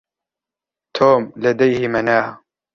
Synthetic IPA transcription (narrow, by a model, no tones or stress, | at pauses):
t̪ʰoːmlad̪ajhɪmanaːh